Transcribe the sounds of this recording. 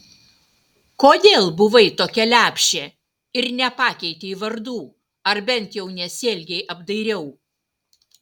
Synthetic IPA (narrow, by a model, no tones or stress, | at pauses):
koːd̪ʲeːlˠbʊʋɐɪt̪oːkʲɛlʲæːpʲʃʲt͡ʃʲeː | ɪɾnʲɛpɑːkʲɛɪt̪ʲeːiʋɐɾd̪uː | ɐɾbʲɛnʲˑt̪jɛʊnʲɛsʲeːlʲɡʲɛɪʔɐbd̪ɐɪɾʲɛʊ